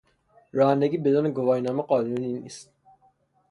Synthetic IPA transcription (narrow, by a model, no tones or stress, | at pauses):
ɾɒːhænd̪æɡiːbed̪uːneɡovɑːhinɔːmæqɑːnuninist̪̚